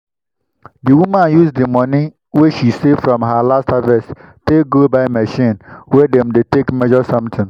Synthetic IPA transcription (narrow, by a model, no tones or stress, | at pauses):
diwumãnjusdimɔ̃ni | wɛʃisefɹɔ̃mɦalastavɛsteɡobaɪmɛʃĩnwɛdɛ̃mdetekmɛʒɔsʌ̃mtʰɪ̃ŋ